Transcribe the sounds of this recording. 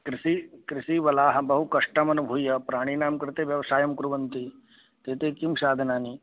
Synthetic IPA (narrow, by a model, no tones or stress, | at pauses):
kɾɪsikɾɪsiʋɐlaːɦɐ̆bɐɦukɐʂʈɐmɐnubʱuːjɐpɾaːɽ̃inaːmkɾɪt̪eːʋjɐʋɐsaːjɐmkɾuʋɐnt̪i | t̪eːt̪eːkimʃaːd̪ʱɐnaːni